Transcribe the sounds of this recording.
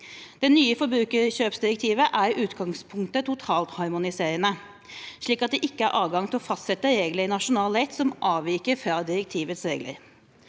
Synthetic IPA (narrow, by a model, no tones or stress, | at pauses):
d̪̥ɛnyːəfɔɾbɾʉːkəɕøːpsd̪ɪɾək̚t̪ʰiːʋəʔæɾʉːt̪ɡɑŋspʰʊŋkt̪ət̪ʰʊt̪ʰɑːlt̪hɑɾmʊnɪseːɾənə | ʂɭiːkɑt̪̚d̪ɛʔɪkːəæɾʔɑːʋɡɑŋt̪ʰɪlɔfɑst̪sɛt̪ːəɾeːɡləɾɪnɑʂʊnɑːlɛɪt̪sɔmʔɑːʋiːkəɾfɾɑd̪ɪɾɛkt̪ʰiːʋət̪sɾeːɡlə̰ɾ